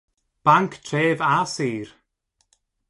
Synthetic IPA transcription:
b̥aŋkʰtʰreːvasiːr

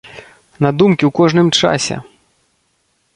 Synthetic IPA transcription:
nɐd̪umkʲiwkɔʐnɨmt͡ʂa̰sʲɛ̰

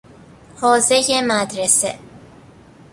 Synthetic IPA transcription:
hɒːzejemæd̪ɾesḛ

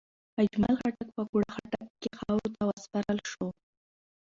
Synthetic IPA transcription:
ad͡ʒma̰lxaʈak̚pəkuɽaxaʈakːexɑwɾot̪awaspaɾəlʃo

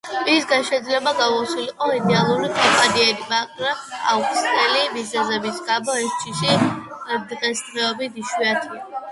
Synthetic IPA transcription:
isɡanʃɛd̪zlɛbaɡavɔsiliqʼɔid̪ɛalˠuɾikʼɔmpʼaniɛlimakʼɾɛa̰ukʼst̪ɛlibizɛzɛbisɡabɔɛst͡ʃʰiʃi | d̪ʁɛskɾɛɔbit̪ʰiʃwiat̪ʰi

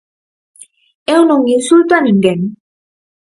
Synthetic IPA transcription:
ɛwnoŋːisult̪aniŋɡɛn

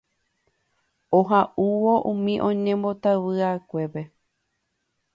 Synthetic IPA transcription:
oɦaʔuʋoʔũmĩʔõ̞ɲẽmbo̞t̪aβɨakʷe̞pe̞

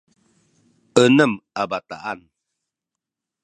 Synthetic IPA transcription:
ənəmabat̪a̰ʔan

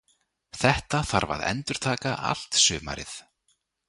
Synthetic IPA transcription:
θɛht̪aθaɾva̰ðɛ̰nt̪ʏɾ̥t̪ʰaːkaʔa̰l̥t̪sʏːma̰ɾɪθ

